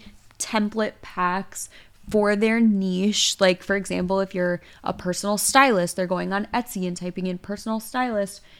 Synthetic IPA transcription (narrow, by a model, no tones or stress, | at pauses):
tʰɛ̃mplɨt̚pʰæks | fə˞ðə˞niʃlaɪkfə˞ɨɡzæ̃mpl̩ˠɨfjə˞ | ʔə̰pʰɜ˞sn̩l̩ˠstaɪlˠɪst̚ðə˞ɡoʊɪ̃ŋə̃nɛtsiɨ̃ntʰaɪpɪ̃ŋɨ̃npʰɜ˞sn̩l̩ˠstaɪlˠɪst̚